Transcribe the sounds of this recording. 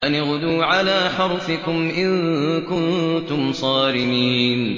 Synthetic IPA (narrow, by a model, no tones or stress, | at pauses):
ʔanɣʊd̪uːʕalaːħɑɾˤfɪkʊmʔɪnkʊnt̪ʊmsˤɑːɾɪmiːn